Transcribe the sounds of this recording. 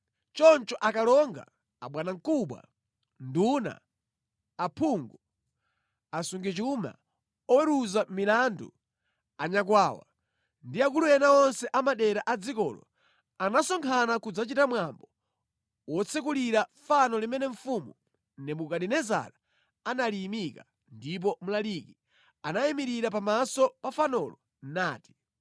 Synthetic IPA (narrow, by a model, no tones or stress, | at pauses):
t͡ʃɔnt͡ʃɔʔakalɔŋɡa̰ː | ɓwanaŋkuɓwa̰ | nduna̰ː | pʰuŋɡu | asuŋɡɛt͡ʃuma̰ | ɔwɛɾuzamilandṵ | aɲak̬waːwa̰ | ndiak̬ulujɛnaɔnsɛʔamaɗɛɾaʔad͡zikɔ̰ːlɔ̰ | anasɔŋkʰanakud͡zat͡ʃitamwambɔ | wɔt͡sʰɛk̬uliɾafanɔlimɛnɛɱ̩fumu | nɛmukaɗɛnɛza̰ɾa | analimika | ndip̬ɔmulaliːki | anajɛmiɾiɾapamasɔpafanɔlɔ | naːti̥